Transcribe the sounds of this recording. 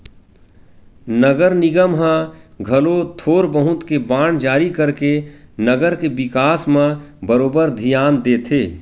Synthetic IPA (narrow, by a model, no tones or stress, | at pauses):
nəɡəɾnɪɡəmɦãɡʱɐlot̪ʰoːɾbəɦʊ̃t̪kebaːɽ̃d͡ʒaːɾikəɾkenəɡəɾkebɪkaːsmãbəɾoːbəɾd̪ʱɪjaːnd̪eːt̪ʰeː